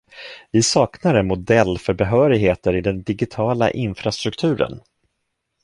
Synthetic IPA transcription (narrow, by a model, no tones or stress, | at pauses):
vɪsɑːknaɾənmʊd̪ɛlːfœɾbɛɦœːɾɪɡɦeːt̪əɾɪd̪ɛnd̪ɪɡɪt̪ʰɑːla̰ʔɪnfɾast̪ɾɵkt̪ʰʉ̟ːɾə̰n